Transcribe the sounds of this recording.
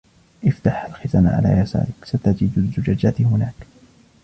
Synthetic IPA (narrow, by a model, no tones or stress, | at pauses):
ʔɪft̪aħalxɪzaːnʕa̰la̰ːjasa̰ːɾɪksat̪ad͡ʒiːd̪azːʊd͡ʒad͡ʒat̪hʊnaːk